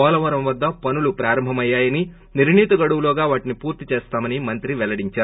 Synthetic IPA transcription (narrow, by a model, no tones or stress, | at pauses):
ɔːlɐʋɐɾɐmʋɐd̪ːɐpɐnulupɾaːɾɐmbʱɐmɐjːaːjɐni | niɾɳiːt̪ɐɡɐɽuwuloːɡaːʋaːʈinipuːɾt̪it͡ʃeːst̪aːmɐnimɐnt̪ɾiʋɛlɐɽiɲt͡ʃaːɾu